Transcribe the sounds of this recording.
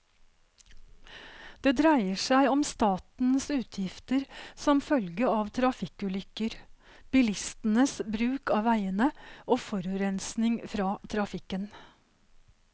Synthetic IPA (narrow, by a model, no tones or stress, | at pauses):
d̪̥eːd̪ɾæɪəʂæɪɔmst̪ɑːt̪n̩sʉːt̪ʰjɪft̪əɾsɔmfœlɡəɑːʋt̪ʰɾɑfɪkʉːlʏkəɾ | b̥ɪlɪst̪n̩əsbɾʉːkɑːʋæɪənəʔoːfɔɾʉɾɛnsnɪŋfɾɑːt̪ʰɾɑfɪkən